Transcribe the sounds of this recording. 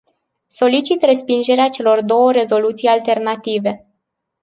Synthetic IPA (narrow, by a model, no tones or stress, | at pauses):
so̞lit͡ʃit̪re̞spind͡ʒe̞ɾeat͡ʃe̞lo̞rd̪o̞wəɾe̞zo̞lut̪sijalt̪e̞rnat̪ive̞